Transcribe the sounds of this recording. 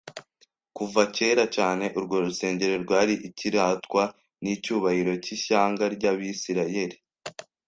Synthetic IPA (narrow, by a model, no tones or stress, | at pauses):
kuvace̞ːɾacaːne̞ʔuɾɡoɾuse̞ːɲɟe̞ɾe̞ɾɡwaːɾiʔiciɾaːtkwa | nicuːβahiɾo̞ciʃaːŋɡaɾɟaβisiɾaje̞ɾi